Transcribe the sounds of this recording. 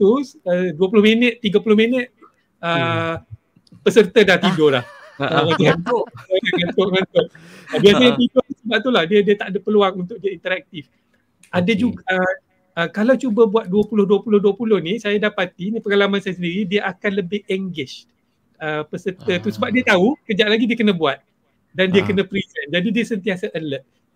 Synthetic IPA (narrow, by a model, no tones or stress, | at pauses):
t̪usəduəpulʊhmenət̪t̪iɡapulʊhmenət̪̚ | ə | pəsərt̪ədaht̪idolah | aŋat̪uaaaŋat̪oʔŋant̪ʊʔəbias̬aɲat̪idot̪usəbap̚t̪ulahdiədiət̪aʔdəpəluaŋunt̪ʊk̚diaint̪əɾak̚t̪if | ʔadad͡ʒuɡa | əkalawt͡ʃubabuat̪̚duəpulʊhduəpulʊhduəpulʊhnisajadapat̪inĩpəŋalamansajas̬əndiɾidiaʔakanləbɪhɛŋɡɪʃ | əpəsət̪ət̪usəbap̚diət̪aukəd͡ʒaʔ̚laɡidiəkənəbuat̪̚ | dandiakənəpɾisɛnd͡ʒadidiəsənt̪iasaʔələʔ̚